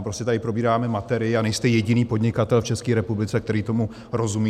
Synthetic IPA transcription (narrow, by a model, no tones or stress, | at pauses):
pɾoscɛt̪adɪpɾo̞biːɾaːmɛmat̪ɛɾɪjɪanɛjst̪ɛjɛɟɪniːpo̞dɲɪkat̪ɛlft͡ʃɛskiːɾɛpublɪt͡sɛk̚t̪ɛɾiːt̪o̞mu | ɾo̞zumiː